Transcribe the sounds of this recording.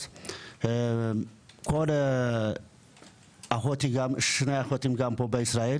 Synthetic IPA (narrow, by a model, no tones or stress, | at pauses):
kʰol | axot̪ʰiɡamɨʃɨnajaxot̪ʰimɡampʰobɐisɾajel